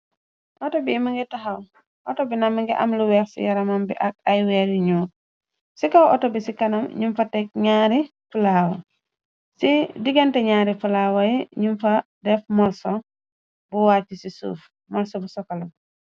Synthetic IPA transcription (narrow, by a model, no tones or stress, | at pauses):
ʔɔtobiːmiŋɡitaɦaw | ʔɔ̰tobinamiŋɡiʔɐ̰mluwɛːɾsḭjɐɾamambḭʔak̚ajwɛɾiɲuːɾ | sikawʔɔ̰tobisikɐnumɲumfatɛk̚ɲaːɾifulaːwɐ̰ | sidiɡentɛɲaːɾifulaːwaiɲumfadɛfmɔlso | buwacisisṵːf | mɔlsobusɔkalum